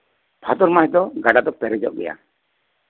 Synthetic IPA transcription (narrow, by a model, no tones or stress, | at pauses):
bʰʱat̪ɔɾmaɦɛd̪ɔɡaɖad̪ɔpɛɾɛd͡ʒɔ̰ʔɡɛ̰ja̰